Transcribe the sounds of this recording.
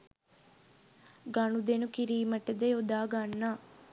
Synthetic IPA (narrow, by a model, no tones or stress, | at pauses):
ɡɐnud̪enukiɾiːməʈəd̪əjod̪aːɡanːaː